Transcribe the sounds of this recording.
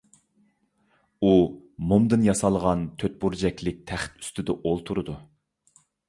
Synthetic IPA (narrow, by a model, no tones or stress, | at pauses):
umumd̪ɨnjɑsɑlˠʁɑnt̪ʰøt̪̚buɾd͡ʒɛkʲlɪk̚ʲt̪ʰæχt̪y̥st̪ɪd̪ɛʔolˠt̪ʰuɾɨd̪u